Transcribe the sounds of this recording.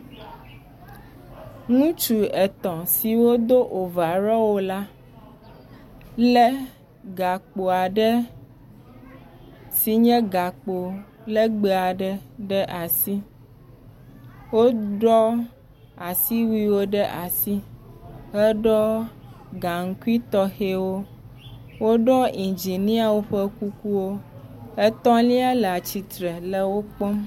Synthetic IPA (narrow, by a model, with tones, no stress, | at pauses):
ŋũ˦t͡ʃu˨ɛ˨t̪ɔ̃˨si˨wo˦d̪o˦ʔo˨va˨ɾɔ˦wo˦la˦ | lɛ˦ | ɡa˨k͡po˨a˨ɖɛ˦ | si˨ɲɛ̃˦ɡa˨k͡po˨ | lɛ˦ɡ͡be˨a˨ɖɛ˦ɖɛ˦ʔa˨si˦ | wo˦ɖɔ˦ | a˨si˦wi˦wo˦ɖə˦ʔa˨si˦ɦə˦ɖɔ˦ | ɡa˨ŋ̩˦ku˦i˦t̪ɔ˦xe˦wo˦ | wo˦ɖɔ˦i˨nd͡ʒi˨nĩ˦a˨wo˦ɸə˦ku˦ku˦wo˦ɛ˦t̪ɔ̃˦lĩ˦a˦lə˨a˨t͡ɕi˨t̪ɾɛ˨lə˦wo˦k͡pɔ˦m